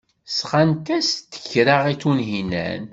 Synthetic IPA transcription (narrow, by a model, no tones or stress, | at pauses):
sχant̪æst̪ːə̥çɾaʁiθunɦinæ̰n